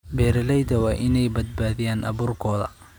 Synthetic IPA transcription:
bɛːɾɛlɛjd̪ɐwɑːʔɪnɛjbɐd̪̚baːðɪjaːnʔɐ̰βuːrkʰɔːðɐ̰

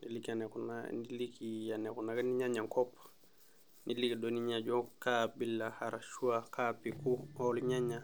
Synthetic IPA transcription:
nilikanɛkuna̰nilikianɛkunakaniɲaɲaŋkɔp | nilikidɔniɲad͡ʒɔkabilːahaɾaʃuakʰapikuɔluɲaɲa

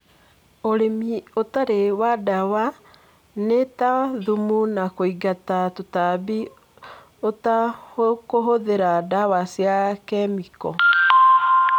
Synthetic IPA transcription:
oɾemiotaɾewadawa | netaðumunakoiɡatatotabi | otahokoɦoðeɾadawasjakɛmikɔ

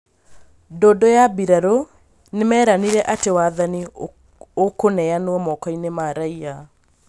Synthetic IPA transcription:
doːdojabiɾaɾo | nemɛːɾaniɾɛʔatewaːðani | okonɛanoɔmɔkɔinemaɾaia

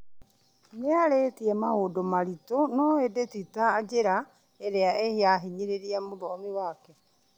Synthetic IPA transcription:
neaɾeːtiɛmaɦodomaɾitonɔedetitaːd͡ʒeɾa | eɾeaeheaɦiɲiɾeɾiɛmoɾɔːmiwakɛ

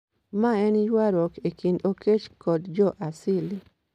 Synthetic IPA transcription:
maɛnjwaɾɔkekʰindokʰet͡ʃkɔdd͡ʒɔʔasili

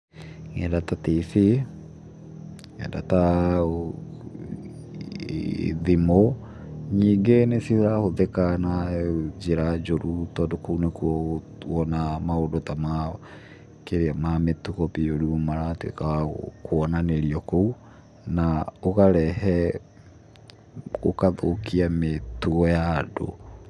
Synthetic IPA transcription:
ŋɛdatatefi | ŋɛ̰da̰ta | ðimɔ | ɲiːɡenesihoɾahoðɛkanad͡ʒeɾad͡ʒoɾutɔdɔkounekuɔ | wɔnamaodotama | keɾeamametuɣɔpijoɾumaɾatwḛkakoɔnaneɾiɔkou | naoɣaɾɛhɛ | o̰kaðokʰiametuɣɔjado̰

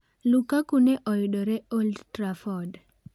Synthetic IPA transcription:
lukakuneʔɔjɗɔɾɛoldtɾafɔd

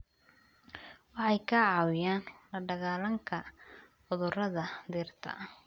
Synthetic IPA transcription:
wɑħɑjkʰɐʕɑːwɪjaːnlɐɖɐɣaːlɐŋkʰɐ | ħʊðʊrɐðɐd̪iːrt̪ʰɐ̰

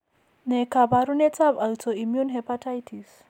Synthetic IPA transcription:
nekabaɾunetabaltoimjunɦɛpatʰajtʰis

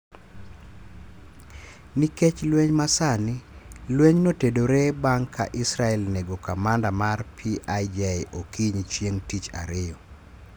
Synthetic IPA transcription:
niket͡ʃlweɲmasanɪlweɲnotedoɾebaŋkʰa̰ʔɪsɾaɛlneɡokamandamarpʰiʔajd͡ʒɛeʔokiɲt͡ʃjeŋtit͡ʃa̰ɾɪjɔ

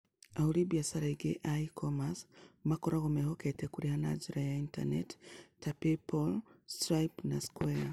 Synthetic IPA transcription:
ahuɾibiasaɾaiɡeʔaikʰomasmakɔɾaɣomɛhoketekuɾihana̰d͡ʒiɾajainta̰nettapipolstɾaipnaskwɛa

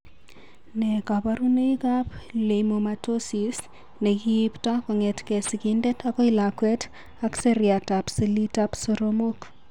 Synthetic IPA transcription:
nɛkabaɾuneikapleimomatosis | nekiiptakɔŋetkɛsikindetʰakɔilakwɛt | akseɾjatapsilitapsoɾomok

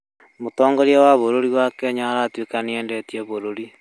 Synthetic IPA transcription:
motɔːŋɡɔɾijawaβoɾoɾiwakɛɲaɾaːtwekaneɛːndɛtiɛβoɾoɾi

